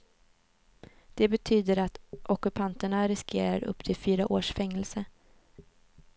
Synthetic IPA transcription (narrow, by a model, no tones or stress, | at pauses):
d̪̥ɛbɛt̪ʰyːd̪əɾat̪ʔɔkɵpʰant̪əɳaɾɪskʰeːɾaɾɵ̰pːt̪ʰɪlfyːɾaʔoːʂfɛŋːɛlsə